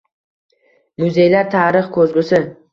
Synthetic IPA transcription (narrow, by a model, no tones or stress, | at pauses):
mʊze̞jlaɾt̪ʰaɾɨχkʰɵzɡʲʊsɪ